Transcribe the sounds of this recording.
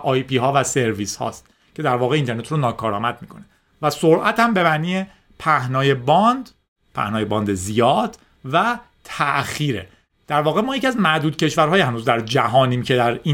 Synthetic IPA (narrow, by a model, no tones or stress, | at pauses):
ʔɒːjpiːɦɒːvæse̞ɾviːshɒ̰ːst̪ | cʰe̞d̪æɾvɒːɣeiːnt̪ʰe̞ɾnet̪ɾonɒːkʰɒːɾɒːmæd̪̚miːkʰo̞ne | væsoɾʔæt̪ʰæmbe̞mæniːe | pʰæhnɒːjebɒnd̪ | pʰæ̰hnɒːjebɒːnd̪ezijɒːd̪̥ | væ | t̪ʰæʔxiːɾḛ | d̪̥æɾvɒːɣemɒːjeciæzmæɾd̪uːd̪̚cʰe̞ʃvæɾɦɒːjhænuːzd̪æɾd͡ʒæɦɒːniːmcʰe̞d̪æɾi